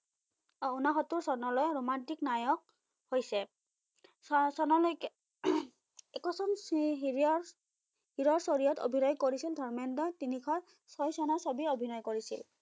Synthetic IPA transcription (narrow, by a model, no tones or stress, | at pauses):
unaxɔtːuɹsɔnɔlɔjɹomantiknajɔk̚ | hojsɛ | sɔnɔlɔjk | ɛkɔsɔm | hiɹɔɹsɔɹijɔto̰bʱinɔjkoɹisildʱɔɹmɛndɔtinikʰɔɹ | sɔjsɔnasɔbiobʱinɔjkoɹisḭl